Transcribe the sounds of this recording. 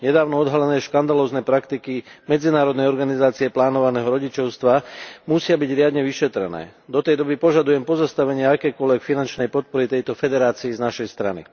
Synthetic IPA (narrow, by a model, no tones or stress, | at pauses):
ɲɛd̪aːʊnɔɔd̪ɦalɛnɛːʃkand̪alɔːznɛːpɾakt̪ikimɛd͡zinaːɾɔd̪nɛjɔɾɡanizaːt͡siɛplaːnɔʋanɛːɦɔɾɔɟit͡ʃɔʊst̪ʋamusɪabiɟɾɪad̪ɲɛʋiʃɛt̪ɾɛ̰nɛ̰ːd̪ɔt̪ɛjd̪ɔbipɔʒad̪ujɛmpɔzast̪aʋɛɲɪaakɛːkʊɔlʋɛkfinant͡ʃnɛjpɔt̪̚pɔɾit̪ɛjt̪ɔfɛd̪ɛɾaːt͡siːznaʃɛjst̪ɾa̰nḭ